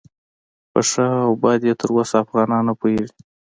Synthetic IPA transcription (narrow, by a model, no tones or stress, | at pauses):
pə̰ʂaawbɑjd̪jet̪ʰəɾwosaːfɣɑnɑnapojeɽi